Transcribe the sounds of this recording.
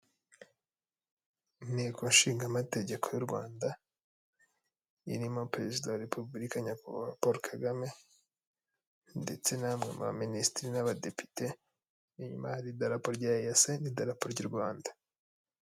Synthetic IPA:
nekonʃiːŋɡamate̞ɟe̞kʰo̞juɾɡwa̰ːnda | ḭɾimo̞pɾe̞zidawaɾepʰubuɾikaɲappoɾokʰaɡame̞ | nde̞t͡se̞namŋema̰βa̰ministɾinaβade̞pi̥te | iɲumahaɾidaɾapoɾɟaːjasenidaɾapoɾɟuɾɡwaːnda

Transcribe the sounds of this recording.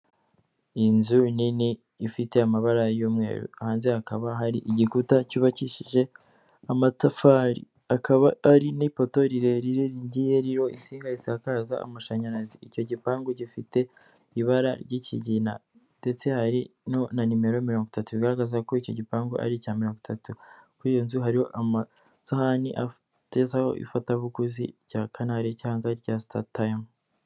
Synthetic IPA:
inzuniniː | fite̞amaβaɾajuːmŋe̞̰ːɾṵahaːnzeakaβaɦaɾiʔiɟikutacuβaciʃiʒe̞ | amatafaɾḭ | akʰaβaːɾinipo̞to̞ɾiɾe̞ɾiɾeɟije̞ɾiɾo̞ḭnt͡siːŋɡazisakaːza̰a̰maʃaɲaɾaziico̞ɟipaːŋɡoɟifite̞ | iβaɾaɾɟicḭɟina̰ | nde̞t͡se̞haɾinonanime̞ɾo̞miɾo̞ːŋɡutatuβiɡaɾaɡazakoico̞̰ɟipaːŋɡo̰ʔa̰ɾicaːmiɾo̞ːŋɡutʰatukuɾijo̞nzuɦaɾiho̞ʔama | sahaniʔa̰f | tezaho̞̰ʔḭfataβuɡuzḭɾɟakʰanaɾecaːŋɡaɾɟastʰa̰tajm

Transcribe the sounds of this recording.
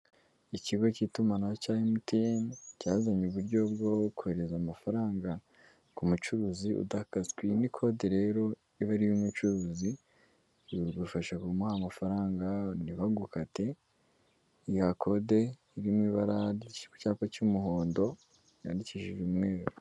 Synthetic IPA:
iciɡo̞citumanaocaːjimutincaːzaɲuβuɾɟo̞b̚ɡo̞ku̥he̞ɾe̞zamafaɾaːŋɡa | kumut͡ʃuɾuːziṵdakaskwinikʰo̞de̞ɾe̞ːɾo̞ | iβaɾijumut͡ʃuɾuːzi | ɾufaʃakumahamafaɾaːŋɡaniβaɡukate̞ | ijakʰo̞de̞ | iɾimwiβaɾaɾiku̥caːpacumuɦoːndo̞ | ja̰ːndiciʃiʒumŋe̞ːɾo

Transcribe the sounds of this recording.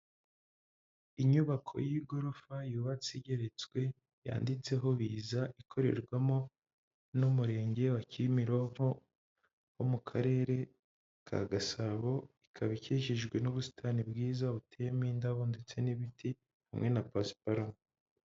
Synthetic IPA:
iɲuβakʰo̞̰jiɡo̞ɾofajuβat͡siɟe̞ɾet͡swe̞ | ja̰ːndit͡se̞ɦo̞βiːzaʔikʰo̞ɾe̞̰ɾɡwamo̞ | numuɾe̞ːɲɟe̞wacimiɾoo | homukʰaɾe̞ɾe̞ | kʰa̰ɡasaβo̞ikʰaβiciʃiʒɡwe̞nuβusi̥tʰanibɡiːzaβutʰejemiːndaβoːndit͡se̞niβitʰi | hamŋe̞napaspaɾa

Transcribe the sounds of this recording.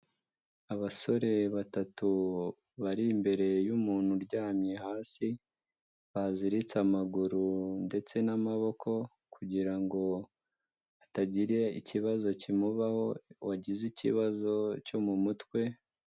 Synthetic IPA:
aβaso̞ɾe̞βatatu | βaɾiːmbe̞ɾe̞jumuːn̥huɾɟaːmɲehaːsi | βaziɾit͡samaɡuɾunde̞t͡se̞namaβo̞kʰo̞ | kʰuɟiɾaŋɡo̞ | ataɟiɾe̞ḭciβazo̞cimuβaho̞waɟizicḭβazo̞co̞mumutkwe̞

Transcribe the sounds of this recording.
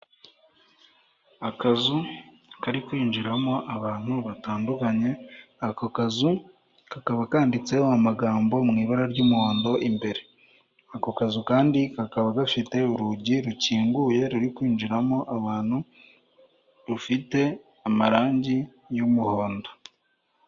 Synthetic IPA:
akazu | kaɾikwiːnd͡ʒiɾamo̞ʔaβaːn̥huβataːndukaɲe̞akokazu | kakaβakaːndit͡se̞oamaɡaːmbo̞mŋiːβaɾaɾɟuːmuho̞ːndo̞ʔimbe̞ɾe̞ | akokazukaːndikakaβaɡafite̞uɾuɟiɾuciːŋɡuje̞ɾuɾikwiːnd͡ʒiɾamo̞ʔaβaːn̥hu | βufite̞ | amaɾaːɲɟi | jomuho̞ːndo

